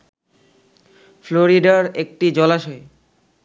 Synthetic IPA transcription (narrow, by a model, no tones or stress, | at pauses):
floɾiɖaɾek̚ʈid͡ʑɔlaʃɔe